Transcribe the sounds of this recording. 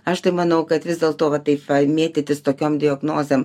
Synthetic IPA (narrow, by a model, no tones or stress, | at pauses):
ɐʃt̪ɐɪmɐnɐʊkɐt̪ʋʲɪzd̪ʲeːlˠt̪oːʋɐt̪ɐɪpʋɐmʲeːt̪ʲɪt̪ʲɪst̪oːkʲoːmd̪ʲɪɐɡnoːzʲem